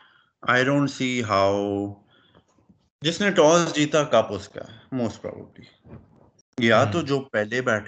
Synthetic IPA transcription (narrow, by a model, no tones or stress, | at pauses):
aɪɖõːɳʈsiːɦaʊ | d͡ʒɪsneʈɔːzd͡ʒiːt̪akɐpʊska̰ɛmoːsʈ̚pɾɔ̰ːbə̰bli | jat̪od͡ʒoːpɛɦlebɛːʈʰ